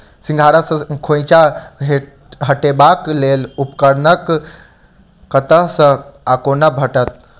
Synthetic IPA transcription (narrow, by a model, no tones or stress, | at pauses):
sĩŋɡʱaɾəsə̃kʰõjt͡ʃaɦe | ɦəʈebaklelupkəɾnək | ət̪əɦsə̃akonabʱəʈət̪̚